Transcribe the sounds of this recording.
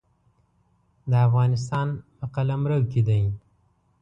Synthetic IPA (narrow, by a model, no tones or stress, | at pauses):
d̪əafɣɑnɪs̬t̪ɑnpəqalamɾəwked̪aj